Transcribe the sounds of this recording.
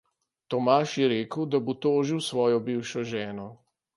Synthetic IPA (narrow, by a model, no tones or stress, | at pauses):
t̪ɔmaːʃjɛɾeːkəwd̪abot̪oːʒiwsʋɔːjɔbiːwʃɔʒɛːnɔ